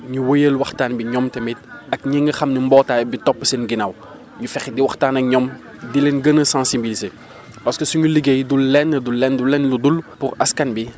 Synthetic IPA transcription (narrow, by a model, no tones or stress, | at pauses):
ɲuwɔjəlwɐxtaːnbiɲɔmtɛmit̚ɐk̚ɲeŋɡɐxɐmnimbɔːtaːbitɔpːə̥sɛnɡinaw | ɲufɛxdiwɐxtaːnɐkɲɔm | dilɛnɡənəsãnsibilize | pɐskəsuɲuliɡejdulːɛnːədulːɛndulːɛnludulpuɾɐskɐnbi